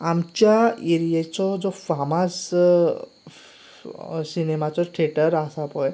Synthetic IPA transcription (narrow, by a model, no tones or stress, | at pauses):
amt͡ɕjaeɾijet͡sɔd͡zɔfamas | sinemat͡sɔʈʰeʈəɾasapɔj